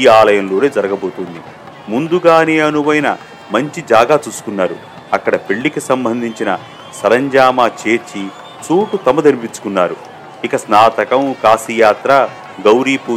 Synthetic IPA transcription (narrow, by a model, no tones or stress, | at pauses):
iaːlɐjɐmlo̞ːne̞ːd͡ʒɐɾɐɡɐbo̞ːt̪und̪i | mund̪uɡaːneːɐnuʋɐjinɐ | mɐɲt͡ʃid͡ʒaːɡaːt͡ʃuːsu̥kunːaːɾṵ | ɐkːɐɽɐpeɭːikisɐmbɐnd̪ʱiɲt͡ʃinɐ | sɐɾɐɲd͡ʒaːmaːt͡ʃeːt͡ʃːi | t͡ʃuːʈut̪ɐmɐd̪ɐɾipit͡ʃːu̥kunːaːɾu | ikɐsnaːt̪ɐkɐmkaːsijaːt̪ɾɐ | ɡɐwɾiːpu